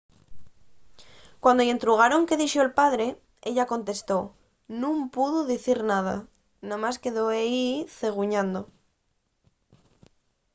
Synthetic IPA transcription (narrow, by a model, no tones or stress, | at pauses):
kwand̪oent̪ɾuɣ̞aɾo̞ŋkeðiʃoelpaðɾe̞ | eʎako̞nt̪e̞st̪o̞ | nũmpuðuðiθiɾnað̞a̰ | nãmaske̞ðoeiθe̞ɣ̞uɲãnd̪o